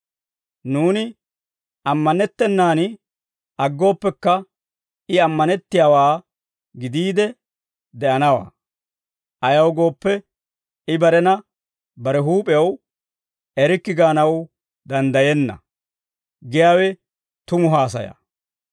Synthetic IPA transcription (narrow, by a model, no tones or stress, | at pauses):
nuːnɪ | ɐmːɐnɛt̪ːɛnːaːn | ʔɐɡːo̞ːpːɛkːɐ | ɪɐmːɐnɛt̪ːɪjaːwaː | ɡɪd̪iːd̪ɛ | d̪ɛʔɐnɐwa̰ː | ʔɐjɐwɡo̞ːpːɛ | ɪbɐɾɛnɐ | bɐɾɛɦuːpʼɛɐw | ɛɾɪkːɪɡaːnɐw | d̪ɐnd̪ɐjɛnːɐ̰ | ɡɪjaːwɛ | t̪ʊmʊɦaːsɐja̰ː